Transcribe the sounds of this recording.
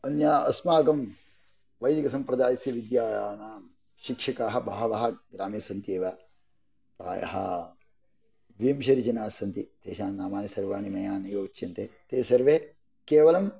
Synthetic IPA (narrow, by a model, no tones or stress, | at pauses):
ɐnjaːɐsmaːɡɐm | ʋɐjd̪iɡɐsɐmpɾɐd̪aːjɐsjɐʋid̪jaːjaːnaːm | ʃikʂɐkaːɦɐbʱaɦɐʋɐɦɐɡɾaːmeːsɐnt̪jeːʋɐ | pɾa̰ːjɐ̰ɦɐ̰ | ʋijɐmʃɐɾid͡ʒɐnaːsɐnt̪it̪ḛːʃaːnnaːmaːnisɐɾʋaːnimɐjaːnɐɡoːut͡ʃːt͡ʃɐnt̪et̪eːsɐɾʋe | keːʋɐlɐm